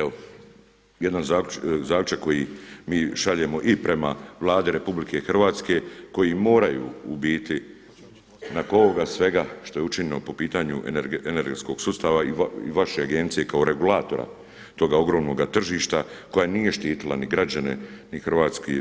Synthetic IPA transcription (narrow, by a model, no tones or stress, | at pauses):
eo | jed̪nazaːzaːklʲut͡ʃakko̞jimiːʃaʎe̞mo̞ʔipɾe̞maʋlˠaːd̪iɾe̞publikʰe̞xrʋaːt̪ske̞ko̞jimo̞ːɾajṵːbiːt̪i | nakooɡasʋe̞ɡaʃt̪o̞jeut͡ʃiɲinopo̞piːt̪aɲueene̞ɾɡet̪sko̞ɡ̥sust̪aʋaiḭʋaʃeaɡe̞nt̪sije̞kao̞ɾʔe̞ɡulˠaːt̪o̞ɾa̰ | t̪o̞ɡao̞ɡɾo̞ːmno̞ɡat̪r̩ʒiːʃt̪ako̞janiːje̞ʃt̪iːt̪ilˠa̰niɡɾad͡ʑane̞̰nixr̩ʋaːt̪ske